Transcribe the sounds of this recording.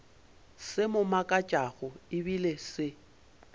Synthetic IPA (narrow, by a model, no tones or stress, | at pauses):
sɪmʊmakʼat͡ʃʼaɣʊɪbilesɪ